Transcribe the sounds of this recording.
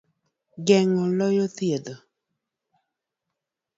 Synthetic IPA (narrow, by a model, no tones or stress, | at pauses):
ɡɛŋɔlɔjɔθjedo